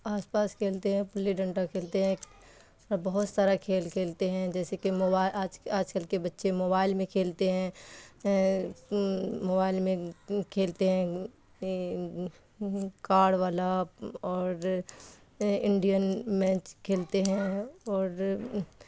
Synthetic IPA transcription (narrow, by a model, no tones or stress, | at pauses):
aːspaːskʰeːlt̪eɦɛ̃pʊlːiɖə̃ɳʈakʰeːlt̪eɦɛ̃ | bɐɦʊt̪saːɾakʰeːlkʰeːlt̪eɦɛ̃d͡ʒɛːsekemoːbaːɪlaːd͡ʒaːd͡ʒkəlkebɐtːʃemoːbaːɪlmẽkʰeːlt̪eɦɛ̃ | moːbaːɪlmẽkʰeːlt̪eɦɛ̃ | kaːɽʋaːlaɔːɾ | ɪ̃ɳɖijənmɛ̃ːt͡ʃkʰeːlt̪eɦɛ̃ɔːɾ